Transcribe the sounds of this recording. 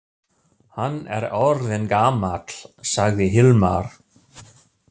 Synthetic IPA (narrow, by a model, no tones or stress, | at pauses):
hanːɛ̰ɾɔɾðɪnkaːmat̪l̥saɣðɪɦɪlmaɾ̥